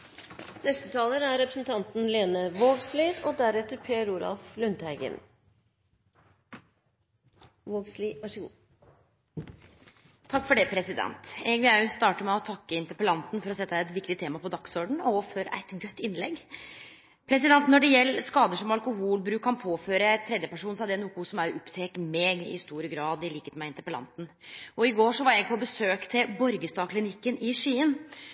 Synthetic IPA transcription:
nɛst̪ət̪ʰɑːləɾæɾɾɛpɾəsn̩t̪ʰɑnt̪n̩leːnəʋoːɡsliːd̪ɔd̪æɾɛt̪ːəɾpʰeːɾuːlɑ̰lflʉnt̪hæɪɡə̰n | ʋoːɡsliːʋɑʂəɡṵː | t̪ʰɑkːfɔɖɛpʰɾɛsɪd̪ɛ̰nt̪ɛɡʋɪlæʉst̪ɑːʈəmɛɔt̪ʰɑkːəɪnt̪əpəlɑnt̪nfɔɾɔsɛt̪ːəæɪɛt̪ʋɪkt̪ɪt̪ʰeːmɑpɔd̪ɑksɔɖɳ̩ɔfɔɾæ̰ɪt̪ɡœt̪ːɪnlɛ̰ɡ | pʰɾɛsɪd̪ɛnt̪nɔɖɛjɛlːskɑːd̪əʂɔmɑlkʊhuːlbɾʉːkʰːɑnpʰoːføːɾət̪ʰɾɛd̪jəpæʂuːnsɑd̪ɛnʊkʊsɔmæɾʔɔpːt̪ʰeːkmeːɡɪ̰st̪uːɾəɡɾɑːd̪ɪliːkət̪mæɪnt̪əpəlɑ̰nt̪n̩ʔɔɪɡoːʂɔʋɑɾɛɡpʰɔbəsøːkt̪ʰɪlbɔɾɡəst̪ɑːkʰlɪnɪkːənɪʂiːən

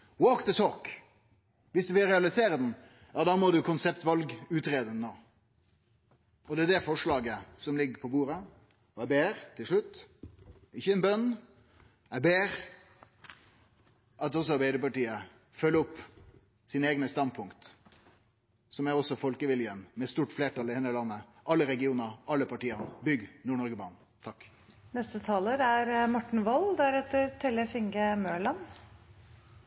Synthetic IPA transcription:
woːkt̪ʰət̪ʰoːk | ʋɪsd̪ʉʋɪlɾɛɑlɪseːɾəd̪ɛn̩ | jɑːd̪ɑːmɔd̪ʉkʰʊnsɛpt̪ʋɑlɡʉːt̪ɾeːd̪ənːoː | ɔd̪ɛæd̪ɛfɔʂɭɑːɡəsɔmlɪɡːəpʰɔbuːɾə | ɔæbeːɾt̪ʰɪlʂɭʉt̪ː | ɪçːəɛnbœnː | æbeːɾ | ʔɑt̪ɔs̬ɔɑɾbæɪd̪əpɑʈiːə | fœlːəɔpː | siːnəeːɡnəst̪ɑn̚pʰʊŋkt̪ | sɔmæʁɔsɔfɔlkəʋɪljənmɛst̪uːʈfleːʈɑlɪɛnəlɑnːəʔɑlːəɾɛɡɪuːnəɾɑlːəpɑʈiːəʁnbʏɡnuːɳɔɾɡəbɑːɳ | t̪ʰɑk | nɛst̪ət̪ʰɑːləɾæɾmɔʈːɳ̩ʋɑld̪æɾɛt̪ːəɾt̪ʰɛləfɪŋɡəmøːɭɑn

